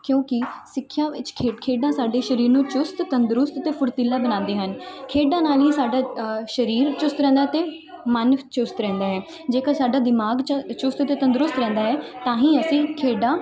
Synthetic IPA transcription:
kjõːkɪsɪkʰːjãːʋɪt͡ʃkʰekʰeːɖãːsaːɖeːʃəɾiːɾnũːt͡ʃʊst̪t̪ənd̪ɾʊst̪t̪eːpʊɾt̪ɪlːaːbənãːnd̪eːɦənkʰeːɖãːnaːliːsaːɖaːʃəɾiːɾt͡ʃʊst̪ɾɛ̃ːnd̪aːɛt̪eː | mənt͡ʃʊst̪ɾɛ̃ːnd̪aːɦɛː | d͡ʒeːkaːsaːɖaːd̪ɪmaːɡt͡ʃʊst̪t̪eːt̪ə̃nd̪ɾʊst̪ɾɛ̃ːnd̪aːɦɛːt̪ãːɦĩːəsĩːkʰeːɖaː

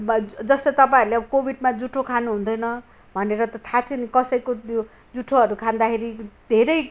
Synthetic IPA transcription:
d͡zʌst̪ʌt̪ʌpãĩɾuleʌbʌkobʱiɖmad͡zuʈʰokʰanuɦũnd̪ʌjnʌ | bʱʌneɾʌt̪ʌt̪ʰat̪ʰinikʌsʌjkojo | d͡zuʈʰːoɦʌɾukʰãnd̪akʰeɾid̪ʱeɾʌj

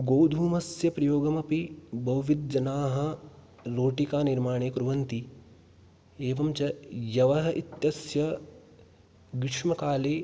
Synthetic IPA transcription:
ɡoːd̪ʱuːmɐsjɐpɾɐjoːɡɐmɐpibɐwʋid̪̚d͡ʒɐnaːɦɐ̆ | loːʈikaːniɾmaːɳeːkɾuʋɐnt̪i | eːʋɐmt͡ʃɐjɐʋɐɦɐʔit̪jɐsjɐ | ɡɪʈʂmɐkaːleː

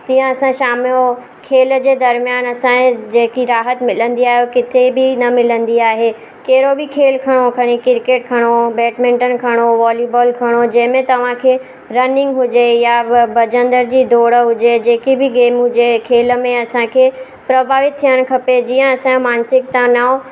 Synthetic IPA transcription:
t̪iːə̃ɐsãʃaːmɪo | kʰeːld͡ʑeːd̪ɐɾmijaːnɐsãd͡ʑeːkiɾaːɦət̪mɪlə̃nd̪iaːɦjokɪt̪ʰebɪnɐmɪlə̃nd̪iaːɦe | keɦɪɾobɪkʰeːlkʰɐɽ̃okʰɐɽ̃ikɪɾkeːʈ̚kʰɐɽ̃obɛːʈmẽːɳʈənɪ̆kʰɐɽ̃oʋaːliboːlkʰɐɽ̃od͡ʑɐ̃ɦɪ̃mẽt̪ɐʋ̤ãkʰeː | ɾɐnɪ̃ŋɡɦʊd͡ʑejabɐd͡ʑə̃nd̪əɾd͡ʑiːd̪ʱoːɽəɦʊd͡ʑed͡ʑeːkibɪɡeːmɦʊd͡ʑekʰeːlə̆mẽɐsãkʰeː | pɾɐbʱaːʋɪt̪t̪ʰːijəɽ̃̆kʰɐped͡ʑiːə̃ɐsãmaːnsɪkt̪ãnaːo

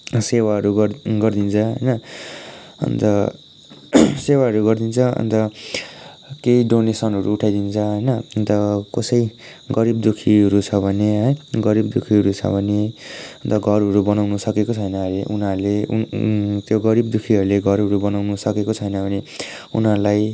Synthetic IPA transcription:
sewaɦʌɾuɡʌɡʌrd̪int͡sʰʌɦʌjnʌ | ʌ̰nt̪ʌ | sewaɦʌɾuɡʌrd̪int͡sʰʌʌ̰nt̪ʌ | keiɖonesʌnɦʌɾuːʈʰajd̪int͡sʰʌɦʌjnʌnt̪ʌkosʌi | ɡʌɾibd̪ukʰiɦʌɾut͡sʰʌbʱʌneɦʌjɡʌɾibd̪ukʰiɦʌɾut͡sʰʌ̰bʱʌneʌnt̪ʌɡʱʌɾɦʌɾubʌnawnusʌkekot͡sʰʌjnʌleʔṵnɦaɾleṵt̪joɡʌɾibd̪ukʰiɦʌɾuleɡʱʌɾʌɾubʌnawnusʌkekot͡sʰʌjnʌbʱʌne | unalaj

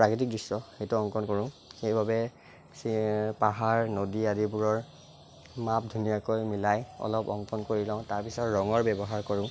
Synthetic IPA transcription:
pɹakit̬ik̚dusːɔxejtʊɔŋkɔnkoɹʊ̃ | xejbabɛ | spaɦaɹnodiadibuɹɔɹ | map̚dʱunijakojmilajɔ̰lɔpɔ̰ŋkɔnkoɹilãʊ̃taɹpisɔtɹɔŋɔɹbɛbɔɦaɹkɔɹʊ̃

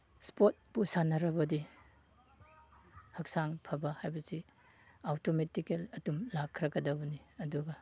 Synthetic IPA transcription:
spot̚pusanɐɾɐbɐdi | hɐk̚saŋpʰɐbɐhajbɐsi | awtometikelɐtumlakʰːɾɐɡɐdɐbɐniɐduɡɐ

